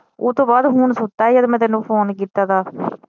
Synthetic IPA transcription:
oːt̪õːbaːd̪ɦuːnsʊt̪ːaːɛːjəd̪mɛ̃ːt̪ɛːnːũːpʰoːnkit̪ːaːt̪aː

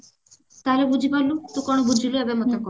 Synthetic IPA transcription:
t̪alebud͡ʒʱibɔlut̪ũkɔɽ̃ɔbud͡ʒʱiluebemət̪akɔ

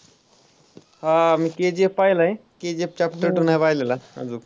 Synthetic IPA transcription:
hamiked͡ʑepːajlaẽked͡ʑep̚t͡ɕapʈəɾʈunajpajlelaə̰d͡zu

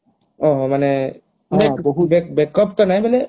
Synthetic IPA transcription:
ɔɦɔmanɛ | bɛboɦubɛkbɛkːɔpt̪ɔnajbɛlɛ

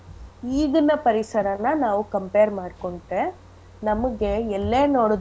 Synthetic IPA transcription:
iːɣɯnːɐpɐɾɪsɐɾɐnːaːnaːʋɯkɐmpeːɾmaːɽkɔɳʈːe | nɐmɯɡeɛlːeːnoːɽɐ

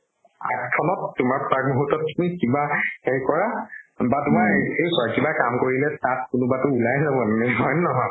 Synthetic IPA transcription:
ɛtkʰɔnɔtːʊmaɹpak̚muɦutːɔtːnikibaxeɹikɔɹabatʊmaejkɔɹakibakamkoɹilɛtat̚kʊnʊbatʊulajzabɔnnɛɦɔjnɔɦɔ

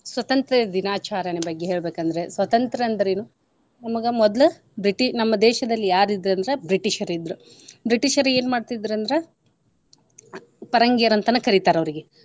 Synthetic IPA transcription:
sʋɐt̪ɐnt̪ɾɐd̪inaːt͡ʃaːɾɐnibɐɡːeɦe̞ːɭbeːkɐnd̪ɐɾe̞sʋɐt̪ɐnt̪ɾɐɐnd̪ɐɾeːnu | nɐmɐɡɐmɔd̪lɐ | bɾiʈiʃnɐmːɐd̪ɛːʃɐd̪ɐlːijaːɾid̪ɾɐnd̪ɐɾebɾiʈiʃɐɾid̪ːɾu | bɾiʈiʃɐɾe̞ːnmaːɖt̪id̪ɾɐnd̪ɐɾe | pɐɾɐŋɡijɐɾɐnt̪ɐnːɐkɐɾit̪aːɾɐʋɐɾiɡe

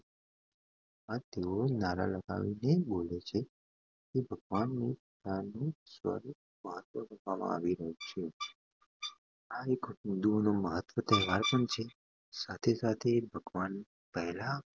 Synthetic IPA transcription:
at̪eonaɾa̰ləɡa̰ʋinebolet͡ʃʰe | kebʱəɡʋanːip | t̪anũsʋə̰ɾu | məɦət̪ʋəkəkʋamã̰a̰ʋiɾəɦũt͡ʃʰe | aekɦʊnd̪uonoməɦət̪ʋət̪ɛɦʋaɾpəɳt͡ʃʰe | sat̪ʰesat̪ʰebʱəɡʋan | pəɦla

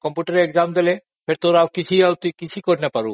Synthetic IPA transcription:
kɔmpuʈaɾeekzamd̪ele | fʰeɾt̪oɾawkit͡ɕʰiawt̪uikit͡ɕʰikoɾnepaɾu

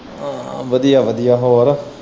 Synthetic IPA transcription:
ʋəd̪ijaʋəd̪ijaːɦoːɾa

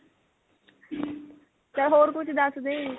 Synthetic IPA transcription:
t̪əɦoːɾkʊt͡ʃʰd̪əsd̪e

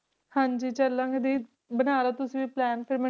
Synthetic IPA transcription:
hãːɲd͡ʒiːt͡ʃəlːãːŋɡed̪iː | bənaːɾaːt̪ʊsĩːʋiːplɛːnpʰɪɾmɛ

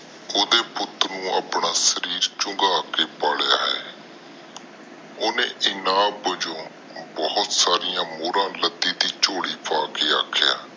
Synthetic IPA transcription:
oːd̪eːpʊt̪ɾnũːʔaːpnaːsəɾiːɾt͡ʃʊŋɡaːkeːpaːɽjaːɦɛ̰ː | oːnḛ̃ːʔɪnãːbəd͡ʒõː | bɔːʊt̪saːɾɪjãːmoːɾãːləd̪iːd̪iːt͡ʃoːɽiːpʰaːkeːa̰ːkʰja̰ː

